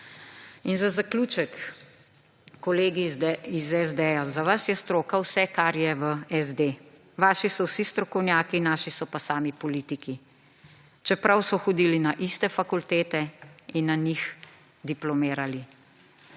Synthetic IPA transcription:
inzazakluːt͡ʃɛk | ɔleːɡiizɛzd̪ɛjazaʋasjɛst̪ɾoːkawsɛkaɾjɛʋəɛzd̪e | ʋaːʃisɔwsist̪ɾɔkɔwnjaːkinaːʃisɔpasaːmipɔliːt̪iki | t͡ʃɛpɾawsɔxɔd̪ilinaʔist̪ɛfakult̪eːt̪ɛinːanix | d̪iplɔmeːɾali

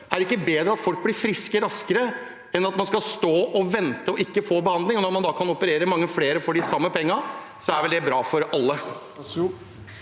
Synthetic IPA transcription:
æɾɪkːəbeːd̪ɾəɑt̪fɔlk̚blɪɾfɾɪskəɾɑskəɾə | ɛnɑt̪mɑnskɑlst̪oːʔɔʋɛnt̪əɔɪkːəfoːbəhɑnd̪lɪŋɔnɔɾmɑnd̪ɑkʰɑnɔpəɾeːɾəmɑŋːəfleːɾəfɔɖɪsɑmːəpʰɛŋːɑ | sɔæɾʋɛld̪ɛbɾɑːfɔɾɑlːə

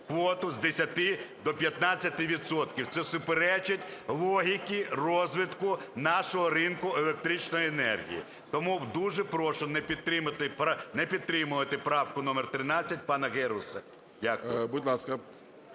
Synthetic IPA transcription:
kʋɔt̪ʊzd̪esʲɐt̪ɪd̪ɔpʲjɐt̪nɑt͡sʲːɐt̪ɪʋʲid̪sɔt̪kʲiwt̪sɛsʊpeɾɛt͡ʃɪtʲlˠɔɦʲikʲirɔzʋɪt̪kʊnɑʃɔɦɔɾɪnkʊelˠek̚t̪ɾit͡ʃnɔjienɛ̰rɦʲḭjḭ | t̪ɔmuwd̪uʒɛpɾɔʃɔnɛpʲit̪ɾɪmɪt̪ɪpnɛpʲid̪̚t̪ːɾɪmʊʋɐt̪ɪpɾɑwkʊnɔmert̪ɾɪnɑt͡sʲːɐt̚ʲpɑnɐɣɛɾʊsɐ | dʲakʊjbʊdʲlˠɑskɐ

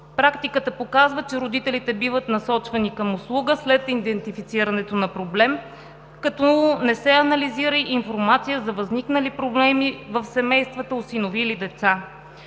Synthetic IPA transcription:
pɾakt̪ikət̪əpokazvət͡ʃɛɾod̪it̪ɛlit̪ɛbivət̪nɐsɔt͡ʃvɐnikɐmʊslˠuɡəslɛt̪id̪ɛnt̪ifit̪siɾɐnɛt̪onɐpɾoblɛm | kɐt̪ɔnɛsɛɐnɐliziɾəiʔinfoɾmat̪sijəzɐvɐzniknəlipɾoblɛmivəfsɛmɛjst̪vət̪əosinovilid̪ɛt̪sa

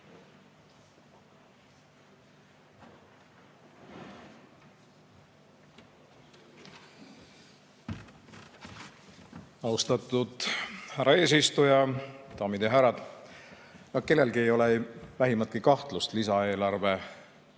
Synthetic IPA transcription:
ɑwst̪ɑt̪ˑːud̪̥hæɾɑe̞ːs̬ist̪ujɑt̪ɑːmid̪̥jɑɦæɾːɑd̪̥ | nɑke̞lːe̞lɡiejo̞levæɦimɑt̪̚kikɑht̪lust̪lisɑe̞ːlɑrve

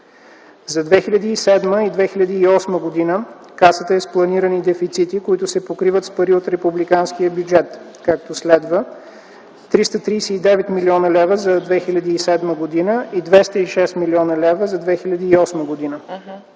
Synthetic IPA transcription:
zɐd̪vɛxilʲɐd̪iːsɛd̪məid̪vɛxiʎʲɐd̪iːɔsməɡod̪inə | kasət̪əɛsplˠɐniɾənid̪ɛfit̪sit̪ikoit̪ʊsɛpokɾivət̪spɐɾiot̪ɾɛpublikanskijəbjud͡ʒɛt̪ | kak̚t̪oslɛd̪və | t̪ɾist̪ət̪ɾijsɛid̪ɛvɛt̪miliɔnəlɛvəzɐd̪vɛxilʲɐd̪iːsɛd̪məɡod̪inəʔid̪vɛst̪əiʃɛst̪miliɔnəlɛvəzɐd̪vɛxilʲɐd̪iːɔsməɡod̪inə

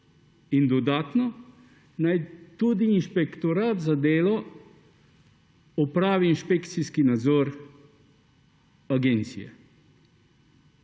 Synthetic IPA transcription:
ind̪ɔd̪aːt̪nɔ | najt̪uːd̪iːnʃpekt̪oɾaːt̪zad̪eːlɔ | ɔpɾaːʋiːnʃpekt̪siskinad̪zɔːɾ | aɡent̪sḭjɛ̰

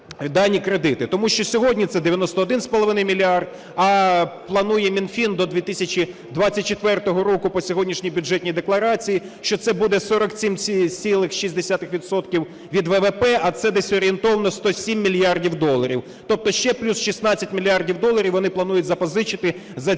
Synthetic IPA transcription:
id̪ɑnʲːikɾed̪ɪt̪ɪt̪ɔmuʃt͡ʃɔsʲɔɦɔdʲnʲit̪sɛd̪ɪʋʲjɐnɔst̪ɔːd̪ɪnspɔlˠɔʋɪnɪjmʲilʲiɑrd̪̚ | ɐplˠɐnujɛmʲinfʲind̪ɔd̪ʲʋʲit̪ɪsʲɐt͡ʃʲid̪ʋɑt͡sʲːɐt̚ʲt͡ʃet̪ʋɛrt̪ɔɦɔɾɔkʊpɔsʲɔɦɔdʲnʲiʃnʲijbʲʊʐɛtʲnʲijd̪eklˠɐɾɑt͡sʲijiʃt͡ʃɔt̪sɛbud̪ɛsɔɾɔksʲimʲt͡sʲilˠɪxʃizʲd̪esʲat̪ɪxʋʲid̪sɔt̪kʲiw | ʋʲid̪ʋɛʋɛpɛʔɐt̪sɛd̪ɛsʲɔɾʲɪent̪ɔʋɐnɔst̪ɔsʲimʲːilʲjɑrdʲiwd̪ɔlˠɐɾʲiw | t̪ɔp̚t̪ɔʃt͡ʃɛplʲusʃisnɑt͡sʲːɐtʲmʲilʲiardʲiwd̪ɔlˠɐɾʲiwʋɔnɪplˠɐnujʊtʲzɐpɔzɪt͡ʃɪt̪ɪ | zɐ

